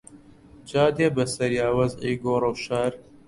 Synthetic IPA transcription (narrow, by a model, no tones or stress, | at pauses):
t͡ʃaːd̪eːbɐsɐɾjaːwɐziːɡoːɾɐwʃaːɾ